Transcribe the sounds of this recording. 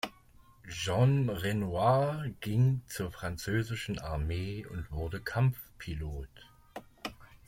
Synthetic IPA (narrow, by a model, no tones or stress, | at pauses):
ʒɔnʁenuaːɡ̥ɪŋt͡suːɐfʁ̥ant͡søːzɪʃn̩aɐmeːʊ̰ntv̥ʊɐdəkʰamfpʰiloːt